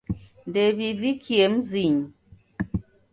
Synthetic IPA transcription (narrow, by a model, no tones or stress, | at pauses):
ndebivikʰiemziɲ